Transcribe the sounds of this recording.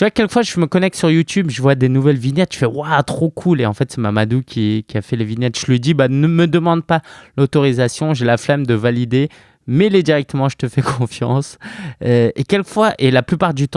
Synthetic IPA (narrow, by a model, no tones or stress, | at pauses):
t̪yvwakʲːɛlkəfwaʒəməkɔnɛk̚t̪syʁjut̪ybʒəvwad̪enuvɛlvinɛt̪ʒ̥ə̥fɛwat̪χokʰuleɑ̃fɛt̪sɛmamad̪ukʲʰikʲiafɛlevinɛt̪ʒ̥əlɥid̪ibanəməd̪əmɑ̃d̪̚palot̪ɔʁizasjɔ̃ʒelaflamd̪əvalid̪e | mɛled̪iʁɛk̚t̪əmɑ̃ʒət̪əfɛkʰɔ̃fjɑ̰̃søekʲɛlkəfwaʔelaplypaʁd̪yt̪